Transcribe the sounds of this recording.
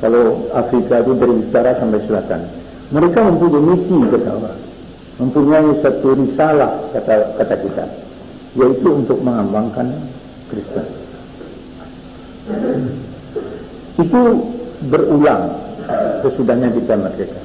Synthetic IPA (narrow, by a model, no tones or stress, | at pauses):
kaloafɾikait̪udaɾiit̪aɾasampajsəlat̪a̰n | məɾekaməmpuɲaimisikət̪a̰wa̰ | məmpuɲaisat̪uɾisalahkat̪akat̪akit̪a̰ | jait̪uːnt̪ʊk̚məŋambaŋkan | kɾist̪ən | it̪ubərulaŋ | səsudahɲadit̪amat̪ɾeka